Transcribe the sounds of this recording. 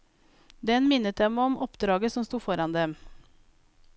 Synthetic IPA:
d̪ɛnmɪnət̪̚d̪ɛmɔmɔpd̪ɾɑːɡəsɔmst̪uːfɔɾɑnd̪ɛm

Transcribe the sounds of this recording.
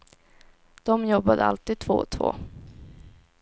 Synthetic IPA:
d̪̥ɔmjɔbːad̪əa̰lt̪iːd̪̚t̪ʰvoːt̪ʰvo̰ː

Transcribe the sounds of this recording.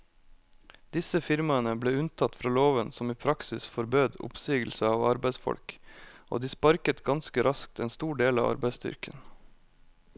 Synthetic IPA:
d̪ɪsəfɪɾmɑənəbleːʉnt̪ʰɑt̪ːfɾɑːloːʋənsɔmiːpʰɾɑksɪsfɔɾbøːd̪ʊ̰psyːɡl̩səɑːʋɑ̰ɾbæɪsfɔ̰lkʔo̰ːd̪iːspɑɾkət̪ɡɑnskəɾʔɑsk̚t̪eːnst̪uːɖeːlɑ̰ːʋɑ̰ɾbæɪst̪ʏ̰ɾkən

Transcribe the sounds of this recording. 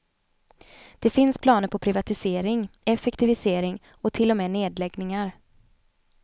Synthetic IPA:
d̪̥ɛfɪnspʰlɑːnəɾpʰɔpʰɾɪvat̪ɪseːɾɪŋɛfɛkt̪ɪvɪseːɾɪŋ | ɔt̪ʰɪlːɔmɛːneːd̪lɛɡnɪŋaɾ

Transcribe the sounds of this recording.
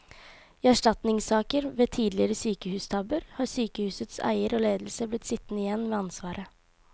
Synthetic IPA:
æʂʈɑt̪nɪŋsɑːkəɾʋeːt̪ʰiːd̪lɪɾəsyːkəhʉːst̪ʰɑbəɾhɑːɾsyːkəhʉːsət̪sæ̰ɪəɾoːleːd̪l̩səblɪt̪sɪt̪ːnəɪjɛnːʋeːɑnsʋɑːɾə

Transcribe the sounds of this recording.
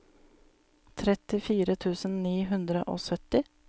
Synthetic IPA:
t̪ʰɾɛt̪ɪfiːɾət̪ʰʉːsən̩niːɦʉnd̪ɾə̰ʔo̰ːsœt̪ɪ

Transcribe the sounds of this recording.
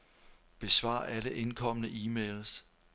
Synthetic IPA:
b̥e̝sʋɑ̰̈ːʔæləʔe̝nkʰɒ̽m̰nəʔiːmeːls

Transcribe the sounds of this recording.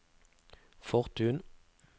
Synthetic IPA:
fɔʁt̪ʰʉːn

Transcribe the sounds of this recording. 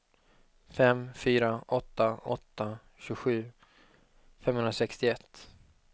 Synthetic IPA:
fɛmfyːɾaʔɔt̪ːaɔt̪ːa | ɕʉːɧʉ̟ː | fɛmhɵnɾasɛkst̪ɪɛt̪ː

